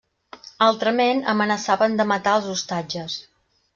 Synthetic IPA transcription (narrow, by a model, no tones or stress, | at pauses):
alˠt̪ɾəmenə̰mənəsaβənd̪əmət̪aəlˠzust̪ad͡ʒəs